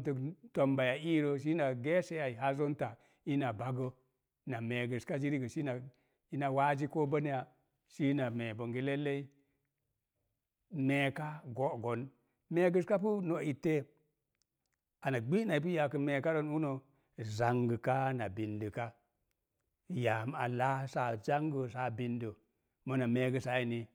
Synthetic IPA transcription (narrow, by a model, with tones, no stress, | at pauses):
tə˨to˨mba˨ja˨i˦ɾo˦ʃ̬i˦na˨ɡe˦se˦ja˨i˨ɦa˦zo˦nta˨ | i˦na˨ba˨ɡə˦ | na˨me˨ɡə˨ska˦d͡ʒi˦ɾi˦ɡə˨ʃi˦na˨ | i˦na˨wa˦d͡ʒi˦ko˦bə˦n˦ja˨ | ʃi˦na˨me˨bo˨ŋɡi˦le˦lːe˦i˦ | me˨ka˦ɡo˦ɡo˨n | me˨ɡə˦˨ska˦pu˦no˨i˨te˦ | a˨na˨ɡ͡bi˦na˨i˨p̬u˦ja˨kə˨me˨ka˦ɾo˦nu˦no˨ | za˨ŋɡə˨ka˦na˨bi˨ndə˨ka˦ | ja˨m˦a̰˨la˦sa˨d͡ʒa˦ŋɡə˨sa˨bi˨ndə˨ | mo˨na˨me˨ɡə˨sa˨˦ji˨ni˨